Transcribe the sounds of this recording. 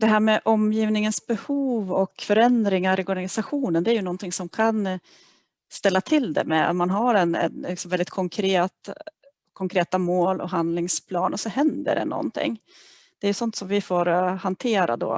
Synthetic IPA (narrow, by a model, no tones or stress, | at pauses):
d̪̥ɛɦæːɾmɛʔɔmjiːvnɪŋənsbɛhuːvɔkfœɾɛnd̪ɾɪŋaɾʔɪɔɾɡanɪsaɧuːnənd̪ɛæɾjɵnɔnt̪ʰɪŋsɔmkʰan | st̪ɛlːat̪ʰɪld̪ɛ̰mɛ̰manɦaɾɛnɛ̰nlɪksɔmvɛlɪt̪kʰɔŋkʰɾeːt̪ | kʰɔŋkʰɾeːt̪amoːlʔɔ̰ɦand̪lɪŋspʰlɑːnʔɔsɔhɛnd̪ə̰ɖɛ̰nɔ̰nt̪ʰɪ̰ŋː | d̪̥ɛæɾjɵsɔnt̪sɔmvɪfoːɾhant̪ʰeːɾa̰d̪ɔ̰